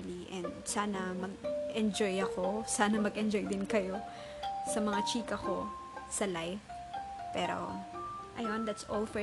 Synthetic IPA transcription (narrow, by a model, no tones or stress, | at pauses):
liʔɛ̃nd̪saːnɐmɐɡ̚ʔɛnd͡ʒojɐko̞saːnɐmɐɡʔɛnd͡ʒojd̪ɪnkɐjo | sɐmɐŋat͡ʃiːkɐko̞ | sɐlajf | pɛːɾo̰ | ʔɐjond̪at̪sʔolˠfɛ